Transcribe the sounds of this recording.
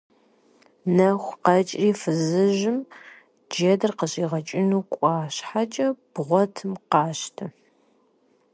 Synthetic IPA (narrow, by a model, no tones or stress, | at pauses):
nɐχʷqɐt͡ʃʼriːfɨzɨʒɪm | d͡ʒedɨrqəɕʼiːʁɐt͡ʃʼɪnuːkʷʼɑːɕħat͡ʃʼɐb̥ʁʷɔtʰɨmqɑːɕtʰɨ